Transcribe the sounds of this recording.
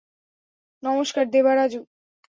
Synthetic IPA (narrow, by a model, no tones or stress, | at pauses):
nɔmoʃkaɾd̪ebaɾad͡ʑu